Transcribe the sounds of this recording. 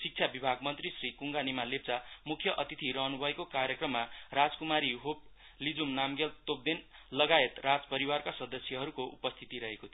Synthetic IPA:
sik̚t͡sʰjabibʱaɡmʌnt̪risrikuŋɡanimalep̚t͡samukʰːjʌʔʌt̪it̪ʰiɾʌɦnubʱʌekokaɾjekrʌmːarad͡zkumaɾiɦop̚ | lid͡zumnamɡelt̪op̚d̪inlʌɡaet̪rad͡zpʌɾiwarkasʌd̪ʌsjʌɦʌɾukoʔupʌst̪ʰit̪iɾʌɦekot̪ʰ

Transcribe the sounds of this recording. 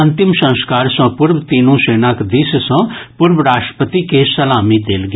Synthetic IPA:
ɐnt̪ɪmsɐ̃nskaːɾsɐ̃pʊɾbt̪iːnũːseːnãːkd̪issɔ̃ːpʊɾʋɾaːʃʈɾə̥pət̪ikesɐlaːmid̪eːlɡ

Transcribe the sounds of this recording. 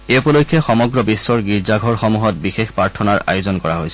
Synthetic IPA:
eupɔlojkʰːjɛxɔmɔɡɹɔbisːɔɹɡiɹzaɡʱɔɹxɔmuɦɔt̚bixexpɹaɹtʰɔnaɹa̰jozɔnkɔɹaɦojsɛ̥

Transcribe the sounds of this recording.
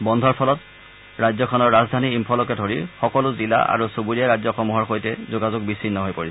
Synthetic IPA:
bɔndʱɔɹpʰɔlɔt | ɹajzɔkʰɔnɔɹːazdʱaniːmpʰɔlɔkɛdʱoɹixɔkɔlʊzila̰ʔa̰ɹusubuɹiaɹazɔxɔmuɦɔɹxojtɛzoɡazʊɡ̚bisinːɔɦojpoɹisɛ

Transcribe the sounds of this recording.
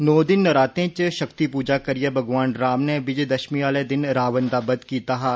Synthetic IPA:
noːd̪ɪnːɐɾaːt̪ẽt͡ʃʃɐkt̪ipuːd͡ʒakɐɾijəbʱɐɡʋaːnɾaːmneʋɪd͡ʒd̪ɐʃmiaːled̪ɪnɾaːʋənd̪aːbɐd̪kiːt̪aːɦaː

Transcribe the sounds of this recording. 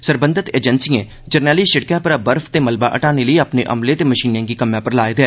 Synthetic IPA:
səɾbə̃nd̪ət̪eːd͡ʒənsiẽː | d͡ʒəɾnɛːliʃɪɽkãpəɾbəɾfʰt̪eːməlbaʔə̰ʈaːneləeəpneʔə̰mlẽt̪eməʃiːnãːkikəmjãpəɾlaːed̪ɛː

